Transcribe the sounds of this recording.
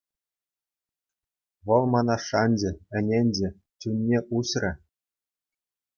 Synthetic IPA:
ʋɤ̆lˠmɑnɑʂɑnʲd͡ʑɘ̆ɘ̆nʲenʲd͡ʑɘ̆ | t͡ɕunʲːeʔuɕrʲɘ̆

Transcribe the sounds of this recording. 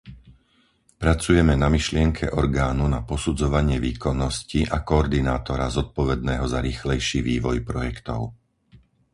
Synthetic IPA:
pɾat͡sujɛmɛnamiʃlɪɛŋkʰɛ̰ʔɔɾɡaːnunapɔsud͡zɔʋaɲɪɛʋiːkɔnːɔsciʔakɔːɾd̪inaːt̪ɔɾazɔt̪̚pɔʋɛd̪nɛːɦɔzaɾiːxlɛjʃiːʋiːʋɔjpɾɔjɛkt̪ɔ̰ʊ

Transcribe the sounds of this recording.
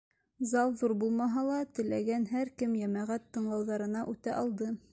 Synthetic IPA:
zɑlˠðuɾbulˠmɑɦɑlˠɑt̪ɘ̆læɡænɦæɾkɘmjæmæʁæt̪ːɤ̆ɴlˠɑwðɑɾɤ̆nɑʔʉt̪æʔɑlˠd̪ɤ

